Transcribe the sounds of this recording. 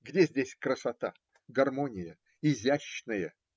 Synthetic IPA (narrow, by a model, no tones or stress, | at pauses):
ɡdʲezʲdʲesʲkɾəsɐt̪a̰ | ɡɐrmonʲɪjə | ɪzʲæɕnɨjə